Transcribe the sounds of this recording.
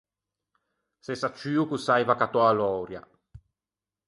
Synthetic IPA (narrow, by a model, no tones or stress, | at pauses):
sesat͡ʃːyːukusajvakat̪oalɔːɾja̰